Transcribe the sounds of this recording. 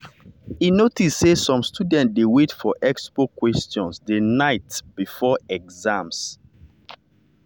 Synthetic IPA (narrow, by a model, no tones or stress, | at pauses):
inotissesɔ̃mstʰudɛ̃nt̚dewetfɔʔɛkspokwɛstɔ̃nsdenaɪtb̥ifɔɛɡzãms